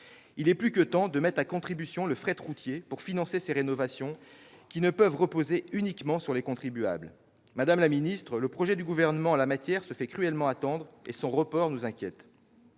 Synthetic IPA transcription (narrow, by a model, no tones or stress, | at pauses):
ilɛplykət̪ɑ̃d̪əmɛt̪χakɔ̃t̪χibysjɔ̃ləfχɛt̪ʁut̪jepuʁfinɑ̃seseʁenɔvasjɔ̃kʲinəpəvʁəpozeynikmɑ̃syʁlekɔ̃t̪χibya̰bl | mad̪amlaminist̪χələpχɔʒɛd̪yɡuvɛʁnəmɑ̃alamat̪jɛʁsəfɛkχyɛlmɑ̃at̪ɑ̃d̪ʁesɔ̃ʁəpɔʁnuzɛ̃kʲjɛt̪